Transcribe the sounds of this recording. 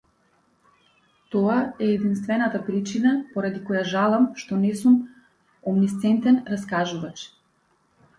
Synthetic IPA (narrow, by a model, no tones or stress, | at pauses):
t̪ɔaɛːd̪inst̪vɛnat̪apɾit͡ʃinapɔɾad̪ikɔjaʒalˠamʃt̪ɔnɛsum | ɔmnist̪sɛnt̪ɛnɾaskaʒuvat͡ʃ